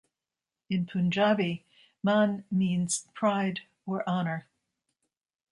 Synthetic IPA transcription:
ɨ̃npʰʉ̃nd͡ʒɑvi | mɑ̃nmĩnz̥pʰɹ̥aɪd | ə˞ʔɑnə˞

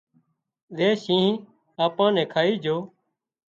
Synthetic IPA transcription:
ɗeːʃĩːɦ | aːpãːnɛ̃ːkʰaːiːd͡ʒʱoː

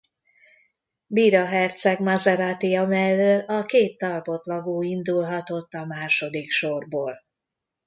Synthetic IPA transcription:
biːɾɒɦɛrt̪sɛɡmɒzɛɾat̪ijɒmɛlːøːlɒkeːt̪ːɒlpo̞t̪lɒɡoːind̪ulɦɒt̪o̞t̪ːɒmaːʃo̞d̪ikʃorboːl

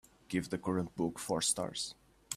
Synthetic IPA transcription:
ɡ̥ɪvðəkʰɔɹə̃nt̚b̥ʊkfɔɹstɑ̰ɹs

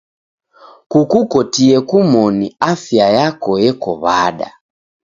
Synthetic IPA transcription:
kukukɔtiɛkumɔniafjajakɔjɛkɔ̰βaɗa̰

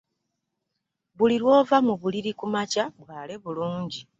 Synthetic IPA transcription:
βuliɾwo̞ːvamuβuliɾikumacaβwaːle̞βuluːɲɟi

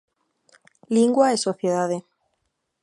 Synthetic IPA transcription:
liŋɡwaesoθjeðaðe

